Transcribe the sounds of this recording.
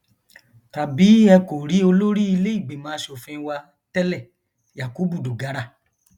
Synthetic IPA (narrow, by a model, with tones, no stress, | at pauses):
ta˨bi˨˦ɛ˧ko˨ɾi˨˦o˧lo˦ɾi˦i˧le˦i˦˨ɡ͡be˨mãː˨˦ʃo˨fĩ˧˦wa˧ | tɛ˦lɛ˦˨ | ja˨ku˨˦bu˦˨do˨ɡa˨˦ɾa˦˨